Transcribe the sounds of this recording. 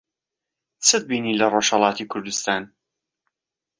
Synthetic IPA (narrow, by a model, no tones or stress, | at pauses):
t͡sʰɨd̪̚biːniːlɐroʃhɐlˠɑːt̪ikʰʊɾd̪ust̪aːn